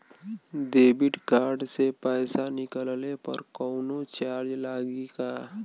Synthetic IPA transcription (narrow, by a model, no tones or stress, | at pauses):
d̪eːbɪʈkaːɾɖsepɛːsanɪkəllepə̰ɾkɔːnot͡ʃaːɾd͡ʒlaːɡika